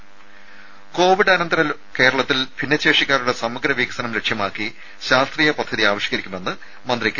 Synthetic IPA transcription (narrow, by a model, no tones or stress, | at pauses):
ko̞ːʋiɽɐnɐnd̪ɐɾɐl | ke̞ːɾɐɭɐt̪ːilpinːɐt͡ɕːeːʂikʲːaːɾuɽesɐmːɐɡɾɐʋiːkɐsɐnɐmɾe̞kʂjɐmaːkːi | ɕaːst̪riːjɐpɐd̪ʱːɐðiaːʋiɕjɐ̥kɐɾikʲːume̞nːɨ | mɐnd̪rikʲːɐ